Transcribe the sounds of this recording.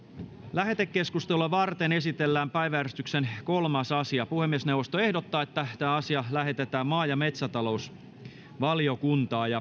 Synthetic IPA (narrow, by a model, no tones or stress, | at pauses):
læhe̞t̪ekːe̞skust̪eluɑʋɑrt̪ene̞sit̪elːæːmpæjʋææɾyst̪yksenko̞lmɑsɑsiɑpuhemːiesnewʋost̪oehdot̪ːɑːet̪ːæt̪æːɑsiɑlæɦe̞t̪et̪æːmmɑːjɑmet̪sæt̪ɑlo̞us | ʋɑljo̞kunt̪ɑːjɑ